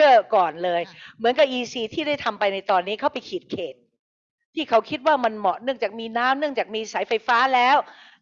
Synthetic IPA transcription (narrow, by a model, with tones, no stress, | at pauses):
ɯ˥˩kɔː˨˩nlɤː˧jmɯ˩˦nka˨˩p̚ʔiː˧siː˧t̪ʰiː˥˩da˥˩jt̪ʰa˧mpa˧jna˧jt̪ɔː˧nːiː˦˥kʰa˦˥˩wpa˧jkʰiː˨˩t̪̚kʰeː˨˩t̪̚ʰː | iː˥˩kʰa˦˥wkʰi˦˥t̪̚waː˥˩ma˧nmɔ˨˩ʔnɯ˥˩əŋt͡ɕaː˨˩k̚miː˧naː˦˥mnɯ˥˩əŋt͡ɕaː˨˩k̚miː˧sa˨˩˦jfa˧jfaː˦˥lɛː˦˥w